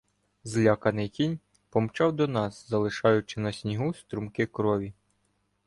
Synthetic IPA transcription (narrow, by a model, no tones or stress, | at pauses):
zlʲɑkɐnɪjkʲinʲ | pɔmt͡ʃɑwd̪ɔnɑszɐlˠɪʃɑjʊt͡ʃɪnɐsʲnʲiɦust̪ɾumkɪkɾɔʋʲi